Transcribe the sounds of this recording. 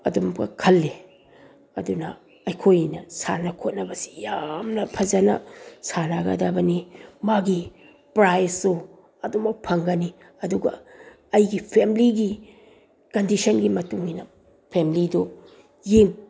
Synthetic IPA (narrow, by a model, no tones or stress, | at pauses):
ɐdumɡɐ̰kʰɐlːe | ɐdunɐ̰ | ɐjkʰojnɐsa̰nɐkʰot̚nɐbɐsi̥jamnɐpʰɐzanɐ̰sanaɡa̰dɐbɐnimaɡi | pɾajsu | ɐdumɐk̚pʰɐŋɡɐni | ɐduɡɐ̰ | ɐjɡipʰemliɡi | kɐndisɐnɡimɐtuŋinɐ | pʰemilidu | jeŋ